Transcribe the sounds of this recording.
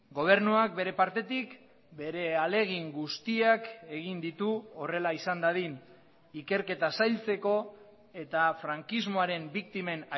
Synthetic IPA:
ɡo̞β̞e̞ɾnuak̚be̞ɾe̞paɾt̪e̞t̪ik | be̞ɾe̞ale̞ɣ̞iŋɡust̪iake̞ɣind̪it̪uore̞laisand̪aðin | ike̞ɾke̞t̪asajlt͡se̞ko̞ | e̞t̪afɾaŋkizmo̞aɾe̞mbik̚t̪ime̞na

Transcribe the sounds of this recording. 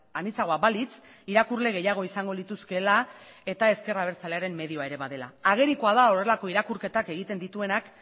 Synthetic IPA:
anit͡saɣ̞o̞abalit͡s | iɾakurle̞ɣ̞e̞jaɣ̞o̞isaŋɡo̞lit̪uske̞la | e̞t̪ae̞ske̞raβ̞e̞ɾt͡sale̞aɾe̞mme̞ð̞io̞aeɾe̞βaðe̞la̰aɣ̞e̞ɾiko̞að̞ao̞re̞lako̞iɾakuɾke̞t̪ake̞ɣit̪e̞nd̪it̪ue̞nak

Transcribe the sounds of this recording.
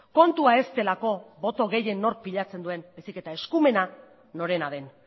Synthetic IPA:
ko̞nt̪uae̞st̪e̞lako̞βo̞t̪o̞ɣe̞je̞nːo̞ɾk̚piʎat͡se̞nd̪ue̞nbajsike̞t̪ae̞skume̞na | no̞ɾe̞naðe̞n

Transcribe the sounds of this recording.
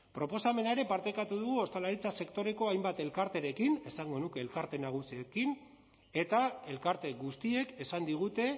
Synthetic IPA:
pɾo̞po̞same̞naeɾe̞paɾt̪ekat̪uðuɣuo̞st̪alaɾit͡sase̞kt̪o̞ɾe̞ko̞ajmbat̪e̞lkaɾt̪e̞ɾe̞kine̞saŋɡo̞nuke̞ːlkaɾt̪e̞naɣ̞usiekin | e̞t̪ae̞lkaɾt̪e̞ɣust̪ie̞ke̞sand̪iɣ̞ut̪e̞

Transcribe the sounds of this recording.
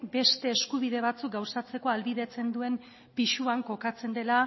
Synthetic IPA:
be̞st̪e̞ːskuβ̞iðe̞βat͡suk̚ɡawsat͡se̞ko̞alβiðe̞t͡se̞nd̪ue̞m | piʃuaŋko̞kat͡se̞nd̪e̞la

